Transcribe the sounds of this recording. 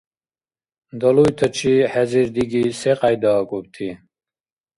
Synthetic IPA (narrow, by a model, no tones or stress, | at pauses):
d̪əlujt̪ʰət͡ʃʰiħɛziɾd̪iɡiseqajd̪akʼub̚t̪ʰi